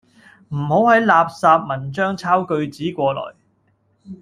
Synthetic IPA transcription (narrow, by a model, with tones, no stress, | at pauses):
m̩˨˩ho˨˥whɐ˨˥jlaː˨p̚saː˧p̚mɐ˨˩nt͡ʃœː˥ŋt͡sʰaː˥wkɵ˧ɥt͡siː˨˥kʷɔː˧lɔ̰ː˨˩j